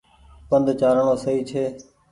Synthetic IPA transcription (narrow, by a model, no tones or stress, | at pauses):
pənd̪ʱt͡ʃaːɾəɳõːsəiːt͡ʃʰeː